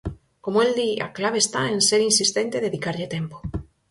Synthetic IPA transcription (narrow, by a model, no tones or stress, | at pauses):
komoeld̪ia̰klaβ̞est̪aenseɾinsist̪ent̪eðeðikaɾʎet̪empo̥